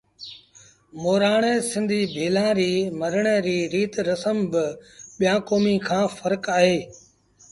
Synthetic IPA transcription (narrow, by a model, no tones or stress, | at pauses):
moːɾaːɳ̃eːsɪ̃nd̪ʱiːbʱiːlãːɾiːməɾəɳ̃eɾiːɾiːt̪ɾəsəmbɪɓɪjãːkoːmiːkʰãːfəɾkaːɦeː